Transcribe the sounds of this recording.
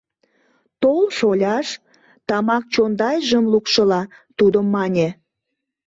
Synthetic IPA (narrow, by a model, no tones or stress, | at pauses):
t̪olʃolʲɑʃ | t̪ɑmɑk̚t͡ɕond̪ɑjʒəmlukʃəlɑt̪ud̪əmːɑnʲe